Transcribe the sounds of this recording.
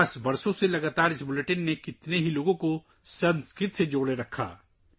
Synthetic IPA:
sbɐɾsõselɐɡaːt̪aːɾɪsbʊleʈənːekɪt̪neɦiloːɡõko | sɐ̃nskɾɪt̪sed͡ʒoːɽeɾɐkʰa̰ː

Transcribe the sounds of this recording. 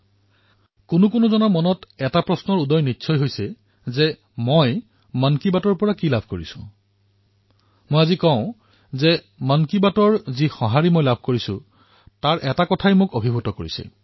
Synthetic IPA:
kʊnʊkʊnʊzɔnɔɹmɔnɔtɛtapɹɔsnɔɹudɔjnitːsʰɔjɦojsɛ | zɛ | moj | mankibatɔɹpɔɹakilabʱkoɹisʊ̰̃ | mojazikɔ̃ʊ̃ | zɛ | mankibatɔɹzixɔ̃ɦaɹimojlabʱkoɹisʊ̰̃ | taɹʔɛtakɔtʰajmʊkobʱibʱutɔkoɹḭsɛ̰

